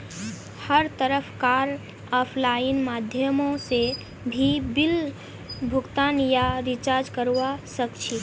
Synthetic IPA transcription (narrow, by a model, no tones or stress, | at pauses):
həɾt̪əɾəpʰkaɾ | aːpʰlaːinmaːd̪ʱjəmõse | bʱibɪl | bʱʊɡt̪aːnjaɾit͡ʃaɾd͡ʒkəɾʋasəkt͡ʃʰi